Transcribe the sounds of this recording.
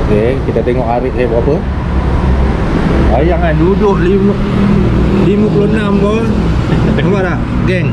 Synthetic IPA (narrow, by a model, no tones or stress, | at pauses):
kekit̪at̪ɛŋɔʔaɾɪʔsabəapə | ajaŋladudʊʔlim | liməkulonamt̪ɔ | abaɾaʔ | ɡɛŋ